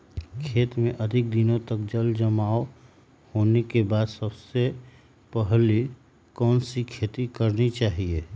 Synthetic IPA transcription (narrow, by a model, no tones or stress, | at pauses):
kʰeːt̪mẽʔɐd̪ʱɪk̚d̪ɪnõt̪ək̚d͡ʒəld͡ʒəmaːo | hoːnekebaːd̪səbse | pəɦli | kɔːnsikʰeːt̪ikəɾnit͡ʃaːɦieː